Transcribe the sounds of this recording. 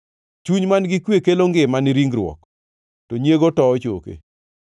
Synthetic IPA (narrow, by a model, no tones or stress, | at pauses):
t͡ʃuɲmanɡɪkwekeloŋɡɪmanɪɾiŋɡɾwɔ̰k | toɲjeɡotɔɔt͡ʃo̰kḛ